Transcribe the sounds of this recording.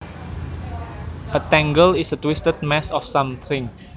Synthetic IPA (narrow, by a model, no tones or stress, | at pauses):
ʔət̪ɛ̃ŋɡəlisətwɪstət̪̚mɛsɔfsãmθɪ̃ŋ